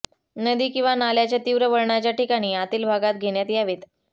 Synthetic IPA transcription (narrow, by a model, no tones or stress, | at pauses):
nəd̪iːkĩw̃ʋanaljat͡ɕjat̪iʋɾəʋəɭɳjat͡ɕjaʈikaɽ̃iːat̪iːlbʱaɡat̪̚ɡʱeɳjat̪ijaʋet̪